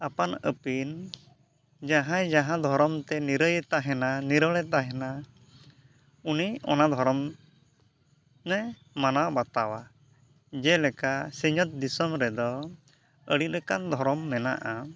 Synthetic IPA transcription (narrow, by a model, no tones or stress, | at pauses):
apanə̰pin | d͡ʒaɦãjd͡ʒaɦãd̪ʱɔɾɔmt̪ɛniɾəjt̪aɦɛnaniɾəɭɛt̪aɦɛna | uniɔ̰nad̪ʱɔɾɔm | nɛ | manawbat̪awa | d͡ʒɛlɛkasiɲɔt̪̚d̪isɔmɾɛd̪ɔ | əɽit̪̚ɾɛkand̪ʱɔɾɔmːɛna̰ʔa